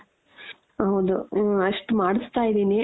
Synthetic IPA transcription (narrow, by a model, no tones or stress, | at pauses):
ɦɐwd̪uɐʂʈmaːɽist̪aːjid̪iːni